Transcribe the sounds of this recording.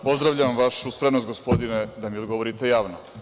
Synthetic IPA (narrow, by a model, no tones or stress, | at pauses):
po̞zd̪ɾavʎaʋamʋaʃuspɾemnost̪ɡospo̞d̪ined̪amiod̪ɡo̞ʋo̞ɾit̪e̞jaːʋno